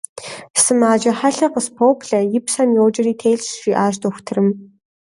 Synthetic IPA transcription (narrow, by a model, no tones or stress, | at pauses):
sɨmaːd͡ʒɐħaɬɐqəspʰoːkɮɐjɪpsɐmjoːd͡ʒɐriːtʰeːɮsʃʷiːʔaːʃtoːxʷtʰɨrɨm